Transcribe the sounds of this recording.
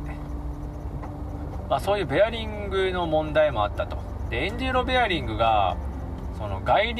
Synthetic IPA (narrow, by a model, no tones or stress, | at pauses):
maso̞ːjɯ̟ːbe̞aɾʲĩŋɡɯ̟no̞mõ̞nd̪aimo̞at̪ːat̪o̞̰ | d̪̥e̞ẽɲ̟d͡ʑiɾo̞be̞aɾʲĩŋɡɯ̟ɡa̰ | so̞no̞̰ɡaiɾʲ